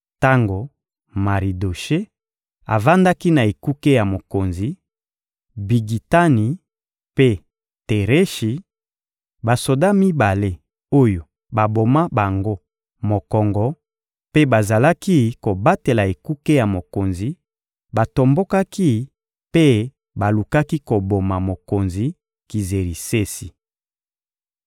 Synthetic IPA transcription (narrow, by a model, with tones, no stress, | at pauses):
ta˦ŋɡo˨ | ma˨ʁi˨do˨ʃe˦ | a̰˨va˦nda˦ki˦na˨e˨ku˦ke˦ja˨mo˨ko˨nzi˨ | bi˨ɡi˨ta˦ni˨ | pe˦ | te˨ʁe˦ʃi˨ | ba˨so˨da˦mi˦ba˨le˦ | o˦jo˨ | ba˨bo˨ma˦ba˨ŋɡo˦ | mo˨kɔ˨ŋɡɔ˦ | pe˦ba˨za˨la˦ki˦ko˨ba˦te˨la˨e˨ku˦ke˦ja˨mo˨ko˨nzi˨ | ba˨to˨mbo˦ka˦ki˦ | pe˦ | ba˨lu˨ka˦ki˦ko˨bo˨ma˨mo˨ko˨nzi˨ | ki˨ze˨ʁi˨se˦si˨